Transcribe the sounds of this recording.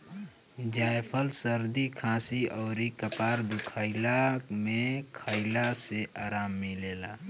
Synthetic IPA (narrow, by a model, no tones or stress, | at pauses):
d͡ʒaːjpʰəlsəɾd̪ikʰãːsiɔːɾikəpaːɾd̪ʊkʰaːilamẽkʰaːilaseʔaːɾaːmːĩleːlaː